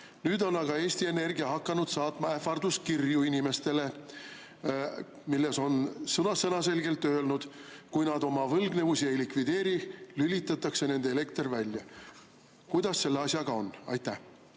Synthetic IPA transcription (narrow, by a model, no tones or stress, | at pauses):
nyːd̪o̞nɑɡ̥ɑe̞ːsʲt̪ie̞ne̞rɡijɑɦɑkːɑnud̪̥sɑːt̪ˑmɑefɑrd̪uskirjuinime̞st̪e̞le̞ | milːe̞so̞nsɤnɑsenɑse̞lɡe̞lt̪ːˑø̞e̞lnud̪̥kujnɑd̪o̞mɑvɤlɡne̞vusie̞jlikvid̪̥e̞ːɾilylit̪ːˑɑt̪ːˑɑkse̞ne̞nd̪eele̞kt̪rvælʲjɑ | kujd̪̥ɑsːe̞lːeɑsjɑɡ̥ɑo̞nɑ̰jt̪ˑːæh